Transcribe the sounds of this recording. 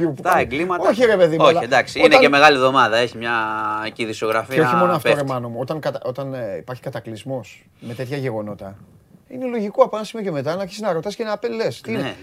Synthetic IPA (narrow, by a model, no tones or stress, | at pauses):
ueɡlimɐoçiɾe̞pe̞ðimolɐed̪ɐksiineɐeme̞ɣɐlivðo̞mɐðɐe̞çimɲɐciðiso̞ɣɾɐfieo̞çimo̞noɐft̪oɾemɐno̞muo̞t̪ɐŋkɐt̪o̞t̪ɐnḭpɐɾçi̥kɐt̪ɐklizmo̞s | me̞t̪e̞t̪çɐʝe̞ɣo̞no̞t̪ɐ | inelo̞ʝikoɐpɐnɐsimioceme̞t̪̬ɐnɐɾçisiznɐɾo̞t̪ɐsi̥cenɐpele̞st̪ine